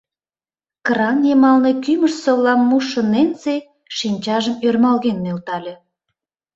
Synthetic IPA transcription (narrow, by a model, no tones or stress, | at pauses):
krɑnjemɑlnekyməʃsoβlɑmːuʃə̆nent͡se | ʃinʲt͡ɕɑʒəmørmɑlɣenːølt̪ɑlʲe